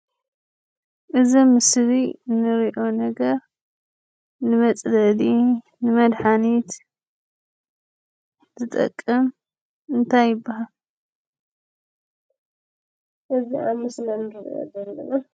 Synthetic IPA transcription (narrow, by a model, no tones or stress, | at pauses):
ʔɨzimɨslinɨɾiʔo̞nɐɡɐɾ | nɨmɐt͡sʼlɐd̪i | nɨmɐd̪ħanit̪ | zɨt̪ʼɐ̰kʼːɐm | ɨnt̪ʰajːɪbːahal | ʔɨziʔaβmɨslɐnɨɾḭʔo̰dɐlːɐ̰na